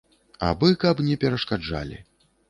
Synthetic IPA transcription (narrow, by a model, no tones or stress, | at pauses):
a̰bɨkɐpnʲɛpʲɛɾɐʂkad͡ʐa̰lʲḭ